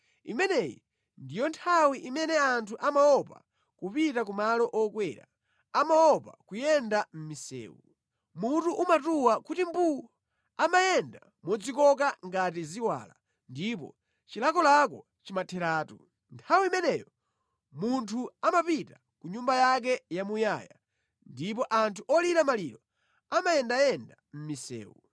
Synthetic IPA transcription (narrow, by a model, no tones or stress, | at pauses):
ḭmɛnɛjḭ | ndijɔntʰawiʔimɛnɛantʰuʔamaɔpa̰ | kupitak̬umalɔʔɔkwɛɾa̰ | amaɔpakujɛndam̩misɛ̰ːwu | mutuʔumatuwakutimbuɔ | amajɛnda | mɔd͡zikɔk̬aŋɡat̬iziwa̰la | ndip̬ɔ̰ | t͡ʃilakɔlakɔ | t͡ʃimatʰɛɾaːtu | ntʰawimɛnɛjɔ | muntʰuamapita | kuɲumbajak̬ɛjamuja̰ːja̰ | ndip̬ɔʔantʰuʔɔliɾamaliɾɔ | amajɛndajɛnda | m̩misɛ̰ːwu